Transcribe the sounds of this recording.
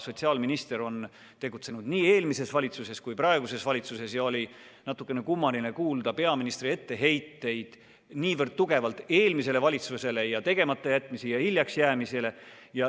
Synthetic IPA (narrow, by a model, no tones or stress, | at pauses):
so̞t̪ʲsiɑlminist̪e̞ɾo̞n | t̪e̞ɡut̪se̞nud̪niːe̞ːlmise̞svɑlʲit̪suse̞skujprɑe̞ɡuse̞svɑlʲit̪suse̞sjɑo̞lʲi | nɑt̪ːˑukːˑe̞ne̞kumːɑlinekuːld̪ɑpe̞ɑminist̪rie̞t̪ːe̞ɦe̞jt̪ːe̞jd̪̥ | niːvərd̪̥̚t̪uɡ̥e̞vɑlt̪ːˑe̞ːlmise̞le̞vɑlʲit̪suse̞lejɑt̪e̞ɡ̥e̞mɑt̪ːˑɑjæt̪ːˑmisijɑhiljɑksjæːmisele̞ | jɑ